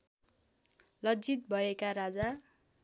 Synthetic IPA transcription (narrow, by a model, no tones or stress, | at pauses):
lʌd͡zit̪̚bʱʌekaɾad͡za